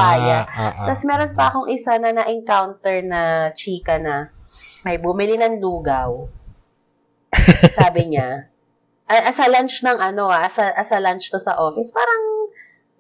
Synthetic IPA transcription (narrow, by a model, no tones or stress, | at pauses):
aːja̰t̪ɐsmɛːɾo̞npɐɐko̞ŋʔɪsanɐnɐʔɛŋkawnt̪ɛɹnɐt͡ʃiːkɐnɐmɐjbʊmɪlinɐŋluːɡɐw | saːbɪɲa | ʔɐjʔɐsɐlant͡ʃnɐŋʔɐno̞asɐʔɐsɐlant͡ʃt̪osɐ̰ʔoːfɪspaːɾɐŋ